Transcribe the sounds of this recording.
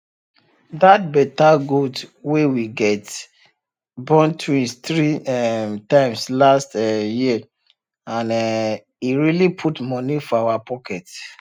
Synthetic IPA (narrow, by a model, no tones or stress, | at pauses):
dat̚bɛtaɡudwewiɡɛt | bɔ̃ntʰuĩtɹiɛmtãɪ̃mslastɛji | ãnɛ | iɹilipʰutmɔnifɔawapɔkɛt